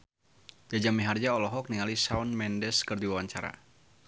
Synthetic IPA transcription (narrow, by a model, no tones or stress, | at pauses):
d͡ʒad͡ʒamiɦard͡ʒaɔlɔɦɔk̚niŋalisaunmɛndɛskərdiwawaɲt͡ʃaɾa̰